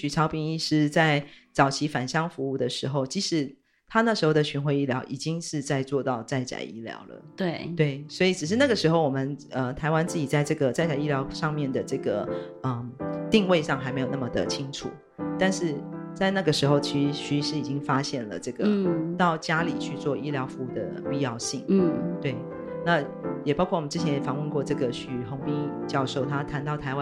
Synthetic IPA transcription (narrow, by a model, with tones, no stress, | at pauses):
t͡ɕy˨˩ʈ͡ʂʰɑ˧˥ʊpi˥˧ŋi˥˧ʂɻ̩˥˧t͡sa˥˩ɪt͡sɑ˨˩ʊt͡ɕʰi˧˥fa˨˩nɕjɑ˥ŋfu˧˥u˥˩d̪ə˩ʂɻ̩˧˥xo˥˩ʊt͡ɕi˧˥ʂɻ̩˧˥ | t̪ʰa˥na˥˩ʂɻ̩˧˥xo˥˩ʊd̪ə˩ɕy˧˥nxwe˥˧ɪi˥˩ljɑ˧˥ʊʔi˨˩t͡ɕi˥ŋʂɻ̩˥˧t͡sa˥˧ɪt͡swɔ˥˧t̪ɑ˥˧ʊt͡sa˥˩ɪt͡ɕa̰˨˩ɪʔi˥˩ljɑ̰˧˥ʊlə̰˩t̪we˥˩t̪we˥˩ɪswɔ˧˥i˨˩ʈ͡ʂɻ̩˨˩ʂɻ̩˥˧na˥˩ɡə˩ʂɻ̩˧˥xo˥˩ʊwɔ˨˩mə˨˦nə˧t̪ʰa˧˥ɪwa˥nt͡sɹ̩˥˩t͡ɕi˨˩t͡sa˥˧ɪʈ͡ʂɤ˥˩ɡə˩t͡sa˥˩ɪt͡ɕja˨˩ɪi˥˩ljɑ˧˥ʊʂɑ˥˧ŋmjɛ˥˩nd̪ə˩ʈ͡ʂɤ˥˩ɡə˩ə˩t̪i˥˧ŋwe˥˧ɪʂɑ˥˩ŋxa˧˥ɪme˧˥jo˨˩na˥˩mə˨˩d̪ə̰˩t͡ɕʰi˥ŋʈ͡ʂʰṵ˨˩˦ | t̪a˥˧nʂɻ̩˥˧t͡sa˥˧ɪna˥˩ɡə˩ʂɻ̩˧˥xo˥˧ʊt͡ɕʰi˧˥ʂ̩˧˥ɕy˧˥˧ʂɻ̩˧˥i˨˩t͡ɕi˦˥ŋfa˥ɕjɛ˥˩nlə̰˩ʈ͡ʂɤ˥˩ɡə˩˥t̪ɑ˥˩ʊt͡ɕja˥li˨˩t͡ɕʰy˥˧t͡swɔ˥˧ʔi˥ljɑ˧˥ʊfu˧˥u˥˩d̪ə̰˨˩pi˥˧jɑ˥˧ʊɕḭ˥˨˩ŋ̩˥˩t̪we˥˩ɪ | na˥˧ | jɛ˨˩pɑ˥ʊkʰɔ˥˩˨ə˦nʈ͡ʂɻ̩˥t͡ɕʰjɛ˧˦njɛ˨˩fɑ˧˥˩ŋwə˥˧nkwɔ˥˧ʈ͡ʂɤ˥˩ɡə˩ɕy˨˩xo˧˥ŋpi˥t͡ɕjɑ˥˧ʊʂo˥˩ʊt̪ʰa˥t̪ʰa˧˥nt̪ɑ˥˩ʊt̪ʰa˧˥ɪwa˦